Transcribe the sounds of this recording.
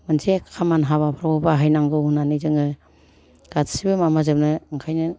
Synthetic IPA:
mɯnsekkʰamanɦabapʰɾabɔbaɦajnaŋɡɯunanizɯŋɯ | ɡ̥atsibɯmamazɯp̚nɯɯŋkʰajnɯ

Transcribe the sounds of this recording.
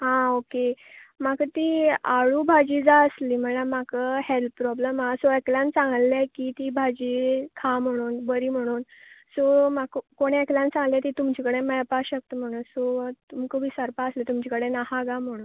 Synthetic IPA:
ɦãoke | makət̪iːaɭubʱad͡ʑiːd͡zaəsliːm̤əlamakəhelt̪pɾɔbləmasoeklãnt͡sãŋɡlːɛkit̪iːbʱad͡ʑiːkʰam̤əɽ̃uːnbəɾiːm̤əɽ̃uːnsomakəkoɽ̃eeklãnt͡sãŋɡlet̪it̪umt͡ɕikəɽeməjpaɕək̚t̪əm̤əɽ̃uːnsot̪umkəbiːsəɾpaəslet̪umt͡ɕikəɽenahaɡam̤əɽ̃uːn

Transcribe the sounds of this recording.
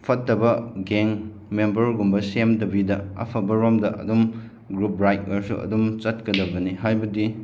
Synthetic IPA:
pʰɐtːɐbɐɡeŋ | membɐɾɡumbɐsemdɐbidɐɐ̰pʰɐbɐɾomdɐʔɐ̰dum | ɡɾup̚ɾajt̚ɐɾsṵɐ̰dumt͡ʃɐt̚kɐdɐbɐniɦajbɐdi

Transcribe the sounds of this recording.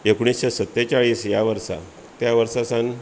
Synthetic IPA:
ekɳ̃isɕesət̪ːet͡ɕaɭiːsjaʋəɾsa̰ | t̪jaʋəɾsasãn

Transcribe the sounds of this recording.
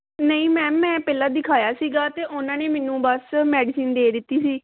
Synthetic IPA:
nəĩːmɛ̃ːmɛ̃ːpɛːlaːd̪ɪkʰaːjaːsiːɡaːt̪eːʔʊnãːneːmɛːnũːbəsmɛːɖɪsiːnd̪eːd̪ɪt̪ːiːsiː

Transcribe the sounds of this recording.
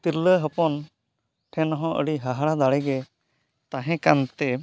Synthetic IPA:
t̪iɾləɦəpɔn | ʈʰɛnɔɦɔ̃ʔə̰ɽiɦəɦaɽad̪aɽɛɡɛ | t̪aɦɛ̃kant̪ɛ

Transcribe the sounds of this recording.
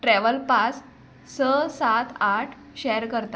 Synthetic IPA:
ʈɾɛʋəlpat͡s | səsat̪ʰaʈʰ | ɕɛɾkəɾt̪a

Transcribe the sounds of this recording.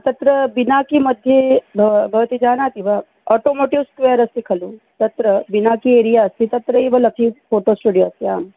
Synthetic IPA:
t̪ɐt̪ɾəbinakimɐd̪ʱjebʱɐbʱɐʋət̪id͡ʒaːnaːt̪iʋa | oːʈoːmoːʈiʋskʋejəɾɐst̪ikʰɐlut̪ɐt̪ɾɐbinakieːɾijaɐst̪ʰit̪ɐt̪ɾəibɐlɐkʰipoːʈoːsʈuːɖijoɐst̪ia̰ːm

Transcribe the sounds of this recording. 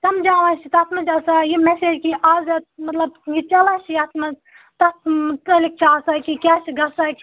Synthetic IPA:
sɐmd͡ʒaːʋãːt͡ʃit̪ɐt̪ʰmɐt͡ʃɐsaːjimɛseːd͡ʒkiʔaːzɐt̪mɐt̪lɐbjit͡ʃɐlaːt͡ʃʰjɐt̪ʰmɐ | t̪ɐt̪ɐt̪ɐlik̚t͡ʃʰaːsakikʲaːt͡ʃʰɡɐsakʲ

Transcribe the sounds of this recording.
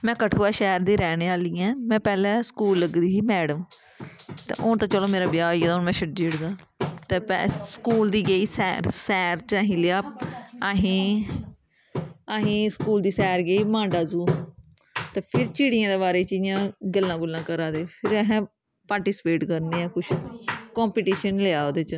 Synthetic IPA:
mɛ̃ːkəʈʰoːaːʃɛːɾd̪iːɾɛːneːaːliːɛ̃ːmɛ̃ːpɛːlɛ̃ːskuːlːəɡd̪iːsiːmɛːɽəm | t̪ḛːʔoːt̪ãːt͡ʃəloːmeːɾaːbɪjaːiaːd̪onmɛ̃ːʃʰəʈd͡ʒiːɽd̪aː | t̪eːpɛ̰skuːld̪iːɡeiːsɛ̰ːɾsɛːɾt͡ʃaɦĩːleːaːəɦĩː | aɦĩːskuːld̪iːsɛːɾɡeiːmãːɖaːzuː | t̪eːpʰɪɾt͡ʃiːɽɪjãːd̪eːβaːɾeːt͡ʃijãːɡəlːãːɡʊlːãːkəɾaːd̪eːpʰɪɾɛɦɛ̃ː | paːɾʈiːsɪ̥peːʈkəɾneːaːkʊt͡ʃʰkɔ̃ːmpiːʈiːʃənleaːoːd̪eːt͡ʃ

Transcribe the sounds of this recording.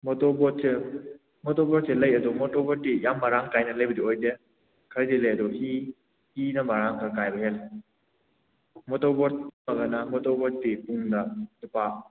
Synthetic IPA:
mɔtɔbɔt̚se | mɔtɔbɔɾ̚selɐjɐdɔmɔtɔbɔtːijamːaɾaŋkajnɐlɐjbɐdiojde | kʰɐɾdilɐjɐdɔhi | hinɐmaɾaŋkʰakajbɐɦel | mɔtɔbɔt̚mɐɡɐnɐmɔtɔbɔt̚dipuŋdɐdipa

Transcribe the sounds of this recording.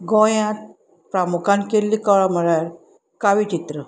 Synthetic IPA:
ɡɔjãt̪̚ | pɾamukʰãnkelːikɔɭam̤əɭaɾ | kaʋit͡ɕit̪ɾə

